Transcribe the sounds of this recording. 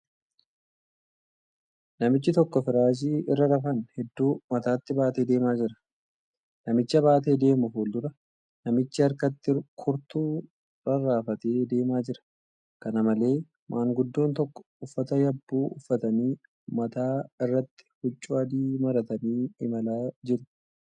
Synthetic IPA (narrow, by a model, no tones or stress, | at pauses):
nɐmɪt͡ʃːɪt̪ɔkːɔfɪɾaːʃ̬iːɪrːɐɾɐfɐnhɛd̪ːuːmɐt̪aːt̪ːɪbaːt̪e̞ːd̪e̞ːmaːd͡ʒɪɾɐ̥ | nɐmɪt͡ʃːɐβaːt̪e̞ːd̪e̞ːmʊfuːld̪ʊɾɐ | nɐmɪt͡ʃːɪɐɾkɐt̪ːɪkʰʊɾt̪uː | ɾɐrːaːfɐt̪e̞ːd̪e̞ːmaːd͡ʒɪɾɐ̥ | kɐnɐmɐle̞ː | mʔaːŋɡʊd̪ːo̞ːnt̪ɔkːɔ̥ʊfːɐt̪ɐjɐbːuːʊ̰fːɐt̪ɐniː | mɐt̪aːɪrːɐt̪ːɪ̥hʊt͡ʃʼːʊɐd̪iːmɐɾɐt̪ɐniːɪmɐlaːd͡ʒɪɾʊ̥